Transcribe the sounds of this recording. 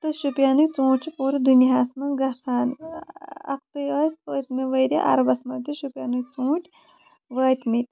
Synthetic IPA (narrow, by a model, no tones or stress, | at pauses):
t̪ɨʃupʲjaːnujt͡sũːt͡ʃʰipuːɾɐd̪uniɦaːsmɐnɡɐsʰaːn | ɐ̰k̚t̪ɨjspəːt̪miʋɐɾʲa̰ʔɐ̰ɾɐbɐsmɐnʲt̪uʃupʲjaːnujt͡sũːʈʲ | ʋəːt̪mit̪ʲ